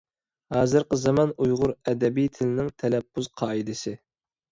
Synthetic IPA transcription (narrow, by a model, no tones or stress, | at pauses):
hɑːzɨɾqəzɛmɑnujʁʊɾɛd̪ɛbijt̪ʰɪlɪnɪŋt̪ʰɛlɛpːuz̥qʰɑːid̪ɨsɪ